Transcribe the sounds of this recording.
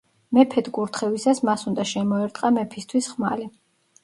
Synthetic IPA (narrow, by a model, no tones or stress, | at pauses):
mɛpʰɛt̪ʰɡuɾt̪ʰχɛvisasmasund̪aʃɛmɔɛɾt̪ʼqʼamɛpʰist̪ʰwisχmali